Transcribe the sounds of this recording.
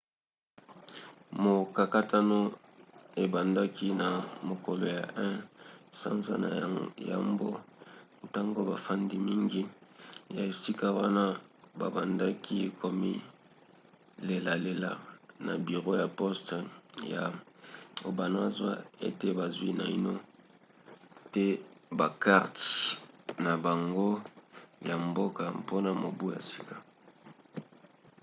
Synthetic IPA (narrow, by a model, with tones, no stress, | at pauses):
mo˨ka˨ka˦tʰa˦no˦ | e˨ba˨nda˦ki˦na˨mo˨ko˨lo˨ja˨ʔɛ̃˦sa̰˦nza̰˦na̰˨ja̰˨mbo̰˦ | ta˦ŋɡo˦ba˨fa˦ndi˦mi˦ŋɡi˦ja˨e˨si˦ka˦wa˦na˦ba˨ba˨nda˦kʰi˦e˨kʰo˨mḭ˦ | le˨la˨le˨la̰˨na̰˨bi˨ʁo˦ja˨pɔ˦stja̰˨ | o˨ba˨na˦a˨zwa̰˦ḛ˦te˦ba˨zwi˦na̰˨i˦no˦ | te˦ba˨ka˦ʁt | na˨ba˨ŋɡo˦ja˨mbo˦ka˨po˦na˨mo˨bu˦ja̰˨e˨si̥˦kḁ˨